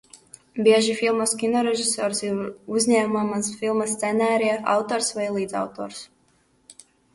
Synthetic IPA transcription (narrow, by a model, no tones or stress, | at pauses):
bʲiɛʒifilˠmɐskʲinɔɾɛʒisɔːɾsiuzʲɲæːmuɔmansfilˠmast̪sɛnæːɾiɛa̰wt̪ɔːɾsvajlˠiːd̪za̰wt̪ɔːɾs